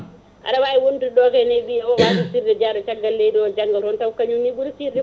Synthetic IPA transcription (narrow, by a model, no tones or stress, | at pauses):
ʔa̰ɗawaːjiwonduɗɔkɛnɛjɓijaɔwatisiɾdɛd͡ʒaːɗɔt͡ʃaɡːalːejdiɔd͡ʒaŋɡalɔntawkaɲunibulsiɾi